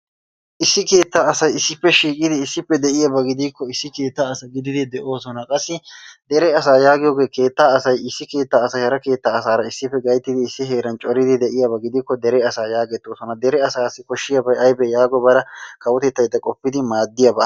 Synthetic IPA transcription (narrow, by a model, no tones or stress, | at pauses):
ʔɪsːɪke̞ːt̪ːaːɐsɐjɪsːɪpːɛʃiːkʼɪd̪ɪːsːɪpːɛd̪ɛʔɪjɐbɐɡɪd̪iːkːɔɪsːɪke̞ːt̪ːaɐsɐɡɪd̪ɪd̪ɪd̪ɛʔo̞ːsɔnɐkʼɐsːɪd̪ɛɾɛɐs̬aːjaːɡɪjoːɡe̞ːke̞ːt̪ːaːɐsɐjɪsːɪke̞ːt̪ːaːsɐjhɐɾɐke̞ːt̪ːaːsaːɾɐɪsːɪpːɛɡɐjt̪ːɪd̪ɪɪsːɪɦe̞ːɾɐnt͡ʃʼɔɾɪd̪ɪd̪ɛʔɪjɐbɐɡɪd̪ikːɔd̪ɛɾɛɐsaːjaːɡɛt̪ːoːsɔnɐd̪ɛɾɛɐsaːsːɪkɔʃːɪjɐbɐjɐjbɛjaːɡɔbɐɾɐkʰɐwɔt̪ɛt̪ːɐjd̪ːɐkʼɔpːɪd̪ɪmaːd̪ːɪjabɐ